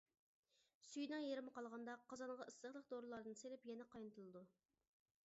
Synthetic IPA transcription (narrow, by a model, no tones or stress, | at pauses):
syjnɨŋjeɾɪmɨqɑlˠʁɑnd̪ɑqʰɑzɑɴʁɑɨsəχlˠəq̚d̪oɾɨlˠɑɾd̪ɨnselɪpjɛnɛqɑjnɨt̪ʰɨlˠɨd̪u